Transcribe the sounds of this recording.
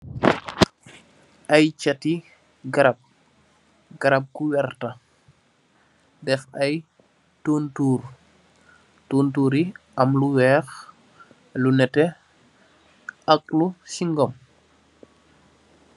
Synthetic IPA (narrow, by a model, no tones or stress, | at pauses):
ʔɐjt͡ʃɐti | ɡɐɾɐp̚ | ɡɐɾɐp̚kuwɛrtɐ | dɛfɐj | toːntuːr | toːntuːɾi | ɐmluwɛːx | lunɛtɛ | ɐk̚lusiŋɡɔm